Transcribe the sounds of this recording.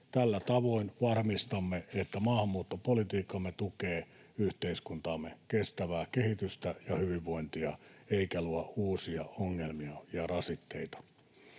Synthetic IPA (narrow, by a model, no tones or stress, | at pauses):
t̪ælːæt̪ɑʋoinʋɑrmist̪ɑmːeet̪ːæmɑːhɑmːuːt̪ːopolit̪iːkːˑɑmːet̪ukeː | yht̪eiskunt̪ɑːmːekest̪æʋæːkehit̪yst̪æjɑhyʋiʋːoint̪iɑeikæluɑʔuːsiɑoŋːelmiɑjɑrɑsit̪ːeit̪ɑ̥